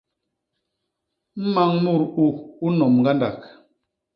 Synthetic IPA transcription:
m̩˦ma˦ŋmu˦˨ɾu˦u˦nɔ˨mŋ˨ɡa˦nda˨k̚

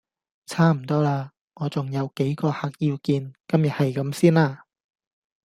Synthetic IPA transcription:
t͡sʰaː˥m̩˨˩t̪ɔː˥laː˧ | ŋɔː˨˧t͡sʊ˨ŋjɐ˨˧wke˨˥jkɔː˧haː˨˩k̚jiː˧wkiː˧nkɐ˥mjɐ˨t̚hɐ˨jkɐ˨˥msiː˥nlaː˧

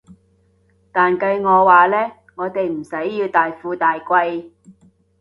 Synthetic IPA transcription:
t̪aː˨nkɐ˧ɥŋɔː˨˧waː˨lɛː˥ | ŋɔː˨˧t̪e˨jm̩˨˩sɐ˨˥jːiː˧wt̪aː˨jfuː˧t̪aː˨jkʷɐ˧j

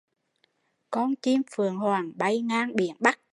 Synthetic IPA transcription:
kɔ˧nt͡ɕi˧mfɨ˨˩əŋhwaː˨˩ŋɓa˧˩jŋaː˧ŋɓḭ˧˩˦ənɓa˦˥k̚

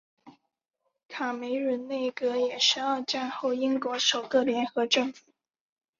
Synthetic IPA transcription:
kʰa˨˩me˧˥ɪɻə˧˥nne˥˩ɪkɤ˧˥jɛ˨˩ʂɻ̩˧˥ə˞˥˧ʈ͡ʂa˥˧nxo˥˩ʊi˥ŋkwɔ˧˥ʂo˨˩ʊkɤ˥˩ljɛ˧˥nxɤ˧˥ʈ͡ʂɤ˥˩ŋfu˨˩˦

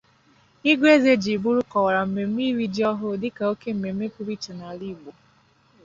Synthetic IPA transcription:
i˦ɡʷe˦ze˦d͡ʒi˨bu˦ɾu˦kɔ˨wa˨ɾa˨m̩˨me˨m̩˦i˦ɾi˦d͡ʒɔ˦ɦʊ˦dɪ˦ka˨o˦ke˦m̩˨me˨m̩˦e˦pu˦ɾi˦t͡ʃa˨na˨li˦˨ɡ͡bo˨

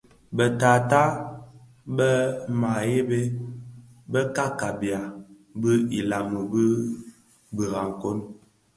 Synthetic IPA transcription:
bə˨ta˨ta˦ | bə˦ma˨je˦be˦ | bə˦ka˦ka˨bja˨ | bə˦i˨la˨mə˨bə˦ | bi˨ɣa˨ŋ˨ko˦n

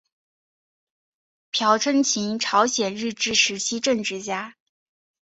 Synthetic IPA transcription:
pʰjɑ˧˥ʊʈ͡ʂʰə˥nt͡ɕʰi˧˥ŋʈ͡ʂʰɑ˧˥ʊɕjɛ˨˩nɻɻ̩˥˩ʈ͡ʂɻ̩˥˩ʂɻ̩˧˥t͡ɕʰi˥ʈ͡ʂɤ˥˧ŋʈ͡ʂɻ̩˥˩t͡ɕja˥

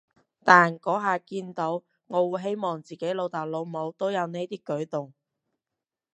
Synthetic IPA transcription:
t̪aː˨nkɔː˨˥ɦaː˨kiː˧nt̪o˨˥w | ŋɔː˨˧wu˨˧jɦe˥jmɔː˨˩ŋt͡siː˨ke˨˥jlo˨˧wt̪aː˨˩k̚lo˨˧wmo˨˧wt̪o˥wjɐ˨˧wne˥jt̪iː˥kɵ˨˥ɥt̪ʊ˨ŋ

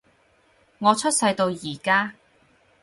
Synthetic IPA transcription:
ŋɔː˨˧t͡sʰɵ˥t̚sɐ˧jt̪o˧wjiː˨˩kaː˥

